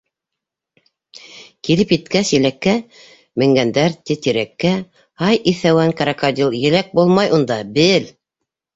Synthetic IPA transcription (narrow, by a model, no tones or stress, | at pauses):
kilɘpjɘ̆t̪kæsjɘ̆lækːæ | mɘ̆ŋɡænd̪æɾt̪it̪iɾækːæ | hɑjʔiθæwæŋkɑɾɑkad̪ʲilˠjɘ̆læk̚bulˠmɑjund̪ɑbɘl